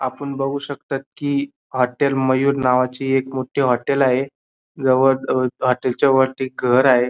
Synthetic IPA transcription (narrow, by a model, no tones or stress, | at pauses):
a̰pəɳbəɡuːɕək̚t̪at̪̚kiː | ɦɔʈelməjuːɾnaʋat͡ɕiːekmoʈʰiɦɔʈelaɦe | d͡zəʋəɾɦɔʈelt͡ɕjaʋəɾt̪iːɡʱəɾaɦe